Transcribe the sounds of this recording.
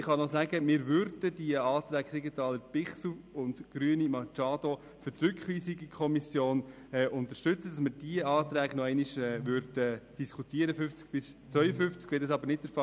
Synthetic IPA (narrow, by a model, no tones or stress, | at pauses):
ɪχɑnɔsæɡəmɪːɾvʏɾd̥ədiəɑːt̪ɾæːɡsiɡətɑːləɾpɪχsuʊndɡ̥ɾyənimɑt͡ʃɑːdɔ | fʏɾtɾʏkχʋiːsiɡikʰɔmisjoːn | ɛːʔʊnt̪əʃtʏt͡səd̥ɑsməɾd̥iəɑːt̪ɾæːɡ̥nɔɛɪniʃɛːʋʏɾd̥əd̥iskʰutiəɾəfʏft͡sk̚b̥ɪst͡sʋœʏəfʏft͡skʋɛldɑsɑbəɾnɪt̚dɛɾfɑ